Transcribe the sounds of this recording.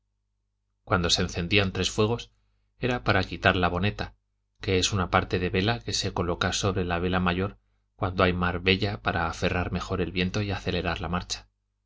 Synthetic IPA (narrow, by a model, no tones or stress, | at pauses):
kwand̪o̞seːnθe̞nd̪iant̪ɾe̞sfwe̞ɣ̞o̞s | e̞ɾapaɾakit̪aɾlaβo̞ne̞t̪a | ke̞e̞sunapaɾt̪e̞ðe̞βe̞lake̞se̞ko̞lo̞kaso̞βɾe̞laβe̞lamaʝo̞ɾ | kwand̪oajmaɾβe̞ʎapaɾaːfe̞raɾme̞xo̞ɾe̞lβje̞nt̪o̞iaθe̞le̞ɾaɾlamaɾt͡ʃḁ